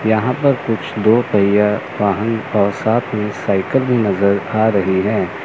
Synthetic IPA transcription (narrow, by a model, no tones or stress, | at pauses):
jɐɦãpɐɾkʊt͡ʃʰd̪oːpɐɪjaʋaːɦə̃nɔːɾsaːt̪ʰmẽsaːɪkəlbʱinɐzəɾaːɾɐɦiɦɛ̃ː